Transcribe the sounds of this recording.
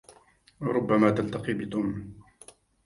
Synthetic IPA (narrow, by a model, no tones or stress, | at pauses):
wɑɾˤʊbːamaːt̪alt̪ɑqiːbɪt̪ʊːm